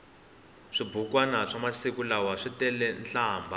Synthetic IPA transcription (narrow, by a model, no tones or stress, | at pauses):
ʂibukwanaʂamasikulawaʂitɛlɛnɬaːmbʱa